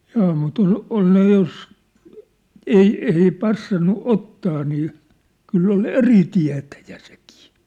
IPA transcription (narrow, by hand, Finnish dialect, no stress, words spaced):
jɑː mut ol ol ne jos ei ei pɑsːɑnːu otːɑː niː kylː ol eri tiæ̝tæjæ̥ se̥ki̥ː